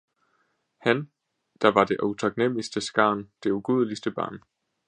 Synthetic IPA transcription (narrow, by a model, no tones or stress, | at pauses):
hæn | d̥ɑ̈ʋɑ̈d̥e̝ʔoʊt͡sʰɑ̈ɡ̥nem̰isd̥əsɡ̥ɑ̈ːnd̥e̝uɡ̥uðˠlisd̥əb̥ɑ̰̈ːn